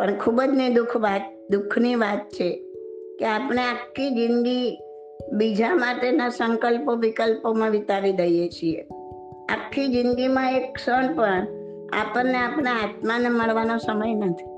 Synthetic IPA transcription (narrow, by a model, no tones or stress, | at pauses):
pəɳkʰubəd͡ʒnid̪ukʰʋat̪̚ | d̪ukʰniʋat̪̚t͡ʃʰekeapɳ̃eakʰːid͡ʒɪnɡ̪i | bid͡ʒamaʈenasəŋkəlpoʋikəlpomãʋit̪aʋid̪əjet͡ʃʰie | a̰kʰːid͡ʒɪnɡ̪imãeksəɳpəɳ | a̰pəɾneapñeɦat̪maneməɭʋanosəməjnət̪ʰi̥